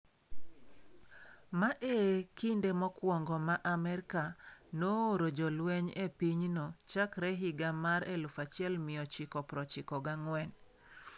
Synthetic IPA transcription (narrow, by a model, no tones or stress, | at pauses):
maʔekindemɔkwɔŋɡɔmaʔamɛɾkanooɾod͡ʒɔlweɲepiɲnot͡ʃakɾɛɦiɡamaɾelʊfat͡ʃɪɛlmɪjɔt͡ʃɪkɔpɾɔt͡ʃɪkɔɡaŋwɛn